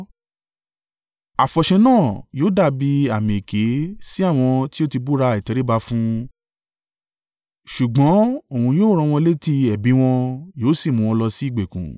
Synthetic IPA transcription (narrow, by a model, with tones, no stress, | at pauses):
a˨fɔ˨ʃɛ̃˧nãː˦˨joː˨˦da˦˨bi˧a˨mĩ˨e˨ke˨˦si˦a˦˨w̃ɔ̃˧ti˦o˦ti˧bu˦ɾa˧i˨tɛ˨ɾe˦ba˧fũ˦ | ʃu˨ɡ͡bɔ̃˨˦o˦˨ũ˧joː˦ɾ̃ɔ̃˧w̃ɔ̃˧le˦ti˧ɛ˨bi˨˦w̃ɔ̃˧joː˨˦si˦˨mũ˧w̃ɔ̃˧lɔ˧si˦i˦˨ɡ͡be˨kṵ̃˨